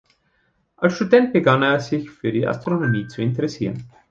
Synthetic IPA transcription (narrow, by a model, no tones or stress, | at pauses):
ʔalsʃtudɛnt̚b̥əɡaneːɐz̥ɪçfyːɐdiːʔa̰stʁ̥onomiːt͡suɪntəʁɛsiːʁən